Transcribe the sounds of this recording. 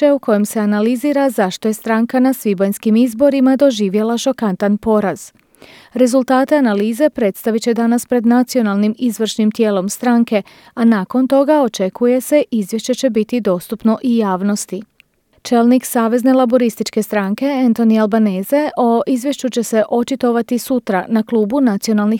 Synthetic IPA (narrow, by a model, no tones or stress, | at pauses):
euko̞jemse̞analiziːɾazaʃt̪o̞je̞st̪ɾaːŋkanasʋibojnskimizbo̞ɾimad̪o̞ʒiːʋjelˠaʃo̞kant̪anpo̞ɾaz̥ | ɾe̞zulˠt̪aːt̪e̞analiːze̞pɾe̞t̪st̪aʋit͡ɕe̞d̪anaspɾe̞d̪nat̪sio̞nalˠnimizʋr̩ʃnimt̪je̞ːlo̞mst̪ɾaŋke̞ | anaːko̞nt̪o̞ɡao̞t͡ʃe̞kʰuje̞se̞ʔizʋjeʃt͡ʃe̞t͡ɕe̞bit̪id̪o̞st̪upno̞ʔijaːʋno̞st̪i | t͡ʃe̞lˠniksaːʋe̞zne̞lˠabo̞ɾist̪it͡ʃke̞st̪ɾaŋke̞ent̪o̞nialˠbaneːze̞ʔo̞ʔizʋje̞ʃt͡ʃut͡ɕe̞se̞ʔo̞t͡ʃit̪o̞ʋat̪isut̪ɾanakluːbunat̪sio̞nalˠni